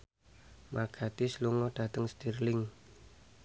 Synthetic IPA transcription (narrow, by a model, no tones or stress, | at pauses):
maɡ̥at̪ɪsluŋɔɖ̥ä̤t̪əŋst̪irlɪŋ